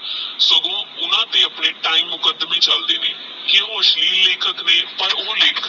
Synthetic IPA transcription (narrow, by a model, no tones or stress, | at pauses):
səɡõːʊnãːt̪eːəpneːʈaːiːmːʊkəd̪mẽːt͡ʃəld̪eːneː | keɦoːʃliːleːkəkneːpəɾoːleːk